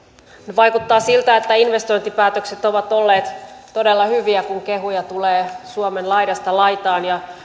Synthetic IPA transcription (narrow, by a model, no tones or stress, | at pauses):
nʋɑikut̪ːɑːsilt̪æet̪ːæinʋest̪ojnt̪ipæːt̪økset̪oʋɑt̪olːeːt̪todelːɑhyʋiækuŋkeɦujɑt̪uleːsuomenlɑiɾɑst̪ɑlɑjt̪ɑːnjɑ